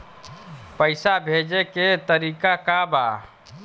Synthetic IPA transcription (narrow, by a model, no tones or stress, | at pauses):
pəɪsabʱed͡ʒeket̪əɾiːkakaba